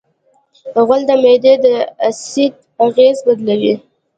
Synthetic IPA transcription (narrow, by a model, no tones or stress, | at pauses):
ɣald̪əmed̪ed̪əasid̪̚ | aɣezbad̪lawi